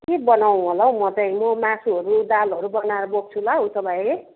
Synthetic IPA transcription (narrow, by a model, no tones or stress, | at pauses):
kebʌnaw̃ɦolaw̃mʌt̪ʌjmʌmãsuɦʌɾud̪alɦʌɾubʌnaɾʌbok̚t͡sʰulaɦũt͡sʰʌbʱʌje